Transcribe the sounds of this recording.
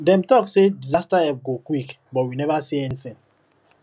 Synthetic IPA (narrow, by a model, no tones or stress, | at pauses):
dɛ̃mtɔksedizastaɛp̚ɡokwik | bɔt̚winɛvasiɛnisĩn